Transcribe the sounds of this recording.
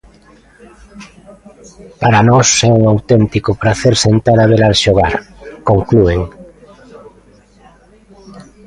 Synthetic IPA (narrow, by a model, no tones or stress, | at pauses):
paɾanɔsɛuŋawt̪ɛnt̪ikʊpɾaθeɾsent̪aɾaβeɾalʃoɣaɾkoŋklueŋ